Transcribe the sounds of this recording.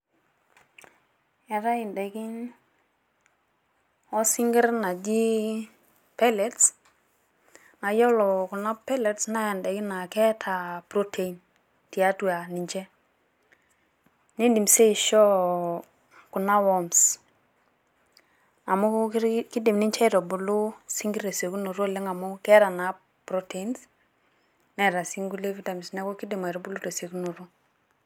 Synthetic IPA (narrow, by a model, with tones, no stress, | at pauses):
a˨ɾa˦ɪ˨ndɛ˨kɪ˦ɲ | ɔ˦si˦ŋɡɪ˦ɾna˨d͡ʒi˦ | pa˦lɛ˨ts | na˨jɔ˦lɔ˨kʊ˨na˦pɛ˦lɛ˨˦tsna˦ja˨ndɛ˨kɪ˦na˨kɛ˦tʰa˨pɾo˦tʰe˨i˨n | ti˨a˦twa˨ni˨ɲt͡ʃɛ˦ | ni˦ndi˨mse˦i˨ʃɔ˦ | ku˨na˦wɔ˦ms | a˨mu˦ki˦dɪ˨mni˦ɲt͡ʃɛ˦i˦ɾɔ˨bʊ˨lu˦si˦ŋɡi˦ɾe˨se˨ku˦no˨ɾo˦˨le˦ŋa˨mʊ˦kɛ˦ɾa˨na˨ | pɾo˦te˨i˦ns | nɛ˨ɾa˨si˦ŋɡu˦le˦vi˦ta˨mi˨snɛ˦ko˦kɪ˦dɪ˨ma˨ɾɔ˨˦bʊ˦lu˦ɾe˨se˨ku˦no˨ɾo˦